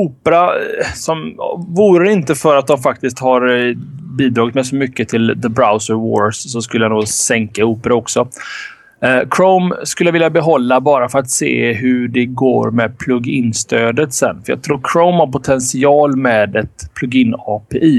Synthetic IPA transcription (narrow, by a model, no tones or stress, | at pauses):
uːpəɾasɔmvuːɾəɪnt̪əfœɾat̪̚d̪ɔmfak̚t̪ɪsk̚t̪haɾbiːd̪ɾɑːɡɪt̪mɛjsɔmʏkːət̪ʰɪlðəbɾaʊsəɾwo̰ːɾssɔskɵlːəjanuːsɛŋkauːpəɾaɔksɔ | kʰɾoʊmskɵlːəavɪljabɛɦɔlːabɑːɾafœɾat̪sḛːɦɵɖɛɡo̰ːɾmɛd̪pʰlɵɡːɪnst̪ʰøːd̪ət̪sɛ̰nːfœɾjɑ̰ɡ̚t̪ʰɾuːɾkʰɾoʊmhaɾpʊt̪ʰɛnsɪɑːlmɛːd̪ɛt̪pʰlɵɡːɪnːɑːpʰeʔiː